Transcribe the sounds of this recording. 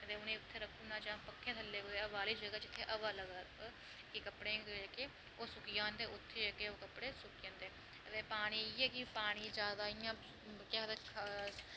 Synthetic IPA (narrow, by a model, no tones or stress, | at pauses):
ət̪eːʊnẽːʊt̪ʰːeːɾəkʰːuːnaːt͡ʃãːpəkʰːẽːt̪ʰəlːeːkoeːəbaːliːd͡ʒəɡaːt͡ʃɪt̪ʰːeːʔəʋaːləɡaː | kikəpɽeːɡkeː | oːsʊkɪjãːnd̪eːʊt̪ʰːeːd͡ʒəkeːoːkəpɽeːsʊkjãːnd̪eː | t̪eːpaːɽ̃iːiːɛːkɪpaːɽ̃iːd͡ʒaːd̪aːɪjãː | kaːt̪ekʰaːs